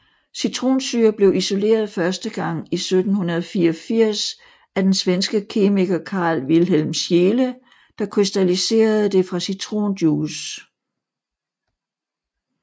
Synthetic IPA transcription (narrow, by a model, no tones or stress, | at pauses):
syt͡sʰʁo̝̰ːnsyːɐb̥le̝ʊʔiso̝le̝̰ːɐð̞ˠfɶɐsd̥əɡ̥ɑ̈ŋ̰isød̥n̩hunɐð̞ˠfiːɐfiɐ̰s | æd̥ensʋensɡ̥əkʰe̝miɡ̥ɐkʰɑ̈ːlʋilɦelmsjeːlə | d̥ɑ̈kʰʁisd̥ælise̝̰ːɐð̞̩ˠd̥e̝fʁɑ̈syt͡sʰʁo̝̰ːnd̥juːs